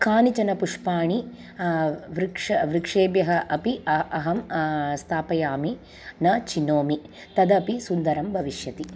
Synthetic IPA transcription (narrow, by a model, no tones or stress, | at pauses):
kaːnit͡ʃɐnɐpuʂpaːɳi | ʋɾikʂɐʋɾikʂeːbjɐɦɐʔɐpiɐɐɦɐmst̪ʰaːpɐjaːmi | nɐt͡ʃinoːmi | t̪ɐd̪ɐpisund̪ɐɾɐmbʱɐʋiʃjɐt̪i